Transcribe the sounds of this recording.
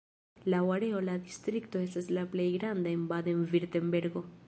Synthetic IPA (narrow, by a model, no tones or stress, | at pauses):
lawaɾe̞o̞lad̪istɾikto̞e̞staslaple̞jɡɾandaembad̪oenviɾtembe̞ɾɡo̞